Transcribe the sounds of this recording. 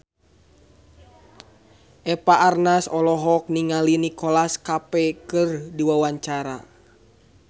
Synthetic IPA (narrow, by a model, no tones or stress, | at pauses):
ʔɛpaʔarnasɔlɔɦɔk̚niŋalinikɔlaskapɛkɨrdiwawaɲt͡ʃaɾa̰